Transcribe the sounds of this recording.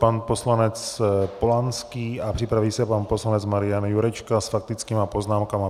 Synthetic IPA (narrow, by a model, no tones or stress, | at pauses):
panposlanɛt͡spolanskiːapr̝̥ɪpɾaviːsɛpanposlanɛt͡smaɾɪjanjuɾɛt͡ʃkasfak̚t̪ɪt͡skiːmapo̞znaːmkama